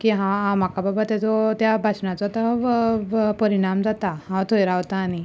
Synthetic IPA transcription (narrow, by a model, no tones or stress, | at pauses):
kiɦãɦãm̤akababat̪jat͡sɔt̪jabʱat͡ɕɳat͡sɔt̪a | pəɾiɽ̃amd͡zat̪aɦãt̪ʰojɾaʋt̪aːni